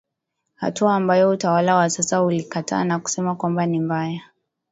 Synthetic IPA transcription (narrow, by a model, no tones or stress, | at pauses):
ha̰tuaːmbajɔutawalawasasahulikatʰa̰ːnaku̥sɛmakwambanimbaja